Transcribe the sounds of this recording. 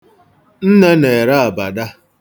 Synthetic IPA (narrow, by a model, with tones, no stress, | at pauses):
n̩˦ne˦ne˨ɾa˦a˨ba˨da˦